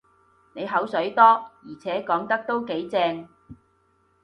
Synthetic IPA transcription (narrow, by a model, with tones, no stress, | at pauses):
ne˨˧jɦɐ˨˥wsɵ˨˥ɥt̪ɔː˥jiː˨˩t͡sʰɛː˨˥kɔː˨˥ŋt̪ɐ˥k̚t̪o˥wke˨˥jt͡sɛː˧ŋ